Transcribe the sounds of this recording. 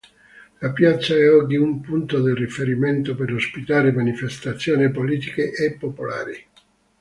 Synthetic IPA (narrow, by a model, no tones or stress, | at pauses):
lapjat̪sːaɛɔɡːiumpunt̪od̪erifeɾiment̪opeɾospit̪aːɾemanifest̪at̪sːjoːnipoliːt̪ikeʔːpːopola̰ːɾi